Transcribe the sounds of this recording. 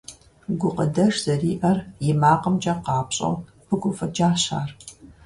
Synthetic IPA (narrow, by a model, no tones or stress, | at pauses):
ɡʷʊqədɐʂz̥ɐriːʔɐrjɪmaːqəmt͡ʃʼɐqɑːpɕʼɐ̰w | pʰɨɡʷʊfɐd͡ʒaːɕa̰ːr